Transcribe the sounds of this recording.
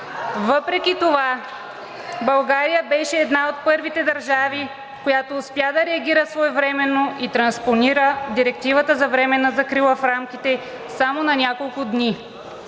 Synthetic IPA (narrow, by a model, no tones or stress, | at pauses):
vɤpɾɛkʲit̪ova | bɐlˠɡaɾijəbɛʃɛːd̪naot̪̚pɤɾvit̪ɛd̪ɐɾʒavi | kojat̪oːspjad̪ɐɾɛɐɡʲiɾəsvɔɛvɾɛmɛnːoʔit̪ɾɐnsponiɾəd̪iɾɛk̚t̪ivət̪əzɐvɾɛmɛnɐzɐkɾilˠəfɾamkʲit̪ɛ | samonɐnʲakolˠkʊd̪ni